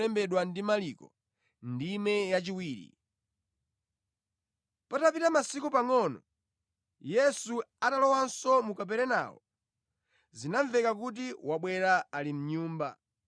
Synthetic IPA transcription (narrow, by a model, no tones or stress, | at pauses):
ɛmbɛɗwandimalikɔ | ndimɛjat͡ʃiwiːɾḭ | patapitamasikupaŋɔnɔ̰ | jɛsuatalɔwansɔmukap̬ɛɾɛna̰wɔ̰ | zinaɱvɛkak̬ut̬iwaɓwɛɾaːlim̩ɲuːmba̰